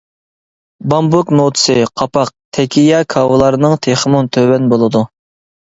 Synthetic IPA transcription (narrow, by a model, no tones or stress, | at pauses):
bɑmbuknot̪ʰɨ̥sɨqʰɑpɑq̚t̪ʰɛkʲijɑkʰɑwɨlˠɑɾɨnɨŋt̪ʰeχmunt̪ʰøwɛnbolˠɨd̪u